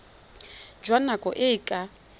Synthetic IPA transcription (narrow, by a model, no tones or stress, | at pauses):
d͡ʒwanakʼɔ̰ʔɪkʼa